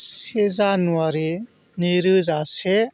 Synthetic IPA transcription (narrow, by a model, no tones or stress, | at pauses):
sed͡zanuaɾi | niɾɯd͡zase